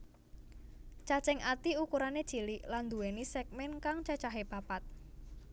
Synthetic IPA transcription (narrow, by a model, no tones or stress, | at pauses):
t͡ʃat͡ʃɛŋat̪iukuɾaned̥t͡ʃi̤liʔland̪uwenisɛk̚mɛnkaŋt͡ʃat͡ʃaɦepapat̪̚